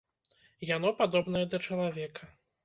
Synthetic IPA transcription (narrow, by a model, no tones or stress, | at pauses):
jan̪ɔpad̪ɔbnɐjɛd̪ɐt͡ʂɐlˠavʲɛkɐ